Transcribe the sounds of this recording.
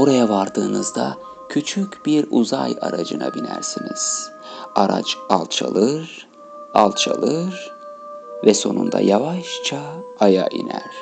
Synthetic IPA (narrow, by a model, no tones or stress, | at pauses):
boɾajavaɾd̪ɯːnɯzd̪a | cʰyt͡ʃʰycʲbiɾuzajaɾad͡ʒɯnabinæɾsiniz̥ | aɾat͡ʃalˠt͡ʃʰalˠɯɾ | alˠt͡ʃʰalˠɯɾ | vɛso̞nund̪a̰javaʃt͡ʃʰaːjaʔinæɾ̥